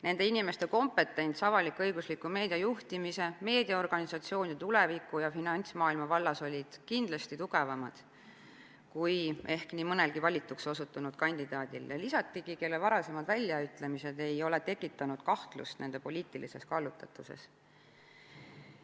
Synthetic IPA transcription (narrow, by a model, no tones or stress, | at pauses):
ne̞nd̪̥e̞inʲime̞st̪e̞ko̞mpːe̞t̪ːˑe̞nʲt̪sɑvɑlikːɤjɡ̥uslikːˑume̞ːd̪̥ʲiɑjuht̪imise̞me̞ːd̪̥iɑo̞rɡ̥ɑnʲisɑt̪sio̞ːnʲit̪ulevikːˑujɑfinɑnʲt̪smɑːilmɑvɑlːɑso̞lʲid̪̥kind̪̥lɑst̪it̪uɡ̥e̞vɑmɑd̪̥ | kuje̞hkniːmɤne̞lɡ̥ivɑlʲit̪ːˑukso̞sut̪ːˑunud̪̥̚kɑnʲd̪̥id̪ɑːd̪̥ʲiljɑlisɑt̪ːˑiɡ̥ike̞lːevɑɾɑse̞mɑd̪vælʲːjɑyt̪ːˑle̞mise̞d̪e̞jo̞le̞t̪e̞kːˑit̪ːˑɑnud̪̥kɑht̪lṵst̪ne̞nd̪e̞po̞lʲiːt̪ːˑilʔḭse̞skɑlːut̪ːɑt̪ːˑuse̞̰s